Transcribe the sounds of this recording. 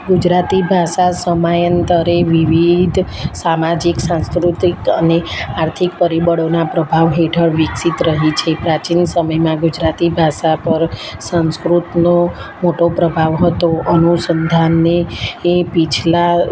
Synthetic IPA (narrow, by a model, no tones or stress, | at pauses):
ɡud͡ʒɾat̪ibʱaʃasəmajənt̪əɾeʋiʋid̪ʱsamad͡ʒiksãnskɾut̪ikəneaɾt̪ʰikpəɾibəɽonapɾəbʱaʋɦeʈʰəɭʋɪksit̪ɾəɦit͡ʃʰepɾat͡ʃinsəməjmãɡʊd͡ʒɾat̪ibʱaʃapəɾsə̃nskɾut̪nomoʈopɾəbʱaʋɦət̪oənusənd̪ʱanːeː | pit͡ʃʰla